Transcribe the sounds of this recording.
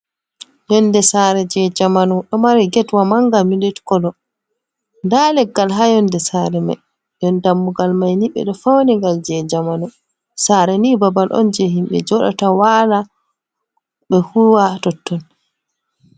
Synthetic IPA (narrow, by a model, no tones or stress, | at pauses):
jɔndɛsaɾɛd͡ʒɛd͡ʒamanɔɗɔmaɾɛɡɛtwamaŋɡamilitkɔlɔ | ndalɛɡːalɦajɔndɛsaɾɛma̰ | jɔndamːuɡalmajniɓɛ̰ɗɔfawniŋɡald͡ʒɛd͡ʒamanɔ | saːɾɛnibabalʔɔ̰nd͡ʒɛɦimɓɛ̰d͡ʒɔɗa̰tawala | ɓɛhuwatɔtːɔn